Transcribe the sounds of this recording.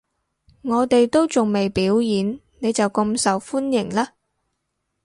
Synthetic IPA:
ŋɔː˨˧t̪e˨jt̪o˥wt͡sʊ˨ŋme˨jpiː˨˥wjiː˨˥n | ne˨˧jt͡sɐ˨wkʊ˧msɐ˨wfuː˥njɪ˨˩ŋlaː˥

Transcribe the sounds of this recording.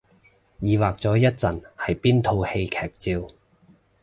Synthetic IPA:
jiː˨waː˨k̚t͡sɔː˨˥jɐ˥t̚t͡sɐ˨˩nhɐ˨jpiː˥nt̪ʰo˧whe˧jkʰɛː˨˩k̚t͡siː˧w

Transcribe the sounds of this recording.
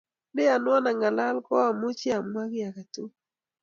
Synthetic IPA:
nɪ˦a˨nwɔ˦na˨ŋa˨la˦lkɔ˦a˨mo˦t͡ʃa˨mwa˦kɪ˦a˨ka˨tu˦

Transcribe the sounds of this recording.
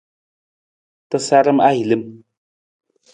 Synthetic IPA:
t̪əsa˦ɾə˦ma˦i˨lɨ˦m

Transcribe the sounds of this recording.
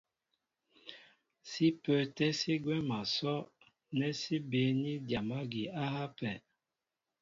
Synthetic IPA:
si˦pə˨tɛ˦si˦ɡwɛ˦ma˨sɔ˦ | nɛ˦si˦be˨˦ni˦dja˨ma˦ɡi˨a˦ha˦pɛ˨

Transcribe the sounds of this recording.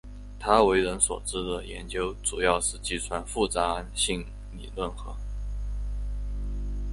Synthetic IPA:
t̪ʰa˥we˧˥ɪɻə˧˥nswɔ̰˨˩ʈ͡ʂɻ̩˥d̪ə˨jɛ˧˥nt͡ɕjo˥ʊʈ͡ʂu˨˩jɑ˥˧ʊʂɻ̩˥˧t͡ɕi˥˩t͡sʰwa˧˥nfu˥˩t͡sa˧˥ɕi˥˩ŋ | lḭ˨˩lwə˥˩nxɤ̰˧˥

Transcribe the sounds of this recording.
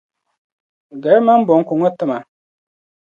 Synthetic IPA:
ɡɛ˨ɾma˦m˦bʊ˨ŋ˦kʊ˨ŋɔ˦tɨ˦ma˨

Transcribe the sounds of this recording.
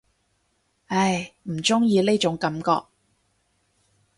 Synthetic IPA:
ɐ˧˩jm̩˨˩t͡sʊ˥ŋjiː˨˧le˥jt͡ʃʊ˨˥ŋkɐ˨˥˦mkɔː˧k̚

